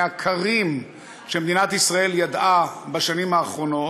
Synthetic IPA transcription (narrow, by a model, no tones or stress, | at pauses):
akʰaʁim | ʃemed̪inat̪isʁae̞ljad̪ʔabaʃanimaːχʁo̞no̞